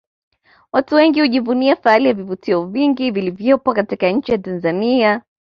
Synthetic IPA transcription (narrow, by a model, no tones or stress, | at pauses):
watuwɛŋɡihuʄivuniafaalijavivutiɔviŋɡivilivjɔpwakatikaɲ̩t͡ʃijatanzania